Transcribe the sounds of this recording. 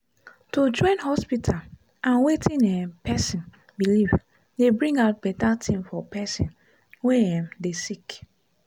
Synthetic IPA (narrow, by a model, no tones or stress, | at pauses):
tud͡ʒɔ̃ɪ̃nhɔspitʰal | ʔãnwetʰĩnɛpʰɛsĩn | biliv | debɹĩŋɡaʊt̚bɛtatʰĩmfɔpʰɛsḭ̃n | wɛɛ̃mdesik